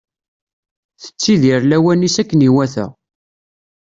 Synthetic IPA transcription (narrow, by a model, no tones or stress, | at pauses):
θə̥t͡sːiðiɾlæwænisækːəniwæθæ̰